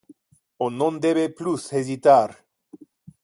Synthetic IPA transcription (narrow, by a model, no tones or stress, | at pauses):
onõnd̪eβeplusezit̪aɾ